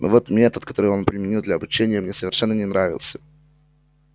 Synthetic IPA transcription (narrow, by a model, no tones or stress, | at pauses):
no̰vo̞t̪mʲet̪ət̪kɐ̥t̪o̞ɾɨonpɾʲɪmʲɪnʲilˠd̪lʲɐɐbʊt͡ɕenʲɪjəmnʲesəvʲɪrʂɛnːənʲɪnɾavʲɪ̰lˠsʲə̥